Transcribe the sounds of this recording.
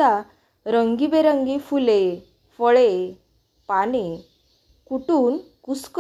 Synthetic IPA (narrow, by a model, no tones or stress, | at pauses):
a | ɾəŋɡibeɾəŋɡifule | fəɭe | paɽ̃i | kuʈuːn | kusk